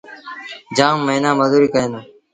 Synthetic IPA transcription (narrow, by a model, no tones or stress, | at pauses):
d͡ʒaːmːəɦnãːməzuːɾiːkəẽːnoː